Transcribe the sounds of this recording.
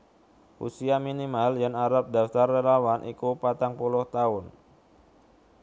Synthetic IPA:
ʔṵsiaminimaljanaɾap̚daft̪arːelawanʔḭkupat̪aŋpulʊht̪aʊn

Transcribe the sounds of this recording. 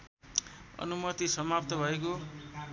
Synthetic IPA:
ʌ̰numʌt̪isʌmap̚t̪ʌbʱʌeko

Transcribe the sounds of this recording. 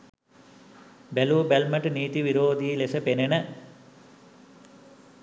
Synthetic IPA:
beluːbelmɐʈniːt̪iʋiɾoːd̪iːlesəpenenə

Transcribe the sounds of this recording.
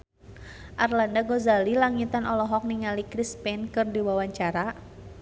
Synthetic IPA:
ʔarlandaɡozalilaŋit̪anɔlɔɦɔk̚niŋalikɾispɛnkɨrdiwawaɲt͡ʃaɾa

